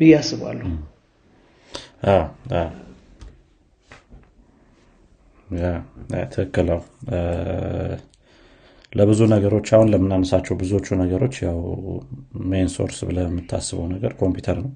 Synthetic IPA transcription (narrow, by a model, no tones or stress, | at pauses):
bɨjasɨβa̰lːu | ʔawaw | jawa̰t̪ʰɨɨkːɨləw | ləbɨzunəɡəɾo̞t͡ʃːahunləmɨnanəsat͡ʃːɛwbɨzuot͡ʃːunəɡəɾo̞t͡ʃːjaw | menso̞̰ɾsbɨləjɛmːɨt̪ʰːa̰sːɨβəwnəɡəɾkʰo̞mpjut̪ʰəɾnəw